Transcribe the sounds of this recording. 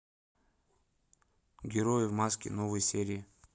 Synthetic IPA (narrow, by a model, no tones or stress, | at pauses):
ɡʲɪɾojɪvmaskʲɪ̰novɨjsʲeɾʲɪː